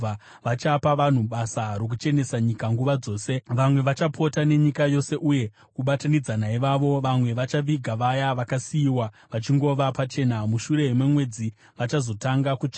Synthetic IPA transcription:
a | ʋat͡ʃapaʋan̤uɓasarok̬ut͡ʃe̞ne̞saɲikaŋɡuʋad͡zo̞ːse̞ʋamwe̞ʋat͡ʃapʰo̞tane̞ɲikajo̞se̞ʔuje̞ | kuɓatanid͡zanaiʋaʋo̞ʋamwe̞ʋat͡ʃaʋiɡʱaʋajaʋakasiiwa | ʋat͡ʃiŋɡo̞ʋapat͡ʃe̞ːnamuʃuɾe̞ɦimwe̞mwe̞d͡zi | ʋat͡ʃazo̞taŋɡakut͡ʂa

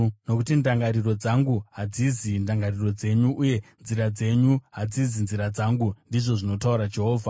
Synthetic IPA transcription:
no̞kutindaŋɡaɾiro̞d͡zaŋɡuɦad͡zizindaŋɡariro̞d͡ze̞ɲuʔuje̞nziɾad͡ze̞ɲuɦad͡zizinziɾad͡zaŋɡundiʐo̞ʐino̞tauɾad͡ʒe̞ɦo̞ːvʱa

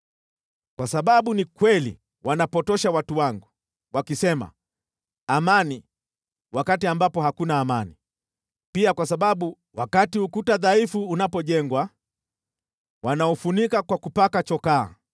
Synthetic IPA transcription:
kwasaɓaɓunikwɛlḭ | wʔanapɔtɔʃawatuwaŋɡu | wakisɛma̰ | amani | wakatiambapɔhakunaːmani | piakwasaɓaɓu | wakatiukutaðaifuːnapɔʄɛŋɡwa | wanaɔfunikakwakupakat͡ʃɔka̰ː

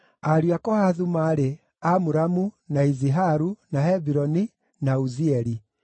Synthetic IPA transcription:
aɾiakɔhaðumaɾe | amuɾamunaiziɦaɾunaɦɛbiɾɔni | nauziɛɾi

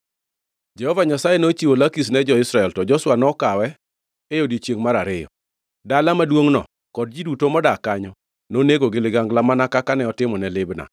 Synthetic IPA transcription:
d͡ʒɛhɔvaɲasajɛnot͡ʃiwolakis̬nɛd͡ʒɔɪsɾaɛltɔd͡ʒɔswanɔkawɛ | ejodit͡ʃjeŋmaɾaɾɪjɔ̰ | dalamadwoŋnɔ̰ | kɔd̚d͡ʒidutomɔdakaɲɔ | noneɡoɡɪlɪɡaŋɡlamanakakanɛɔtɪmɔnɛlɪbna̰

